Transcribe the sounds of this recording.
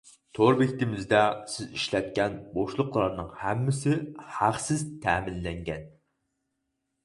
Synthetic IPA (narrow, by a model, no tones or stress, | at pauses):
t̪ʰoɾbɪkʲt̪ɪmɪzd̪ɛsɪziʃlɛt̪̚kʲɛnboʃlˠʊqlˠɑɾnɨŋhæmːɪsɪhæχsɪzt̪ʰæːmɪnlːɛŋɡʲɛn